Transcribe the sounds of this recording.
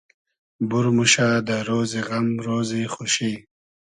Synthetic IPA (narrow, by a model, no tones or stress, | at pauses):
buɾmuʃaːd̪əɾoːziɣamɾoːziχoʃi